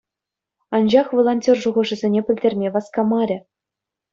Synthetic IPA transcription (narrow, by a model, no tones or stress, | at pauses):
ɑnd͡ʑɑχʋolˠonʲtʲorʐuʁɤ̆ʐɘ̆zʲenʲepʲɘ̆lʲdʲerʲmʲeʋɑskɑmɑɾʲɘ̆